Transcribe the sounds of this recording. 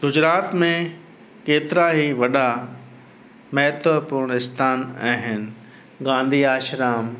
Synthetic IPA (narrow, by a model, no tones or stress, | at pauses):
ɡʊd͡ʑɾaːt̪mẽ | keːt̪ɪɾaɦiʋɐɗa | mɛɦt̪ʋəpʊɾɳ̃ɪst̪ʰaːnaːɦɪnɪ̆ | ɡãːn̆d̪ʱiaːʃɾaːm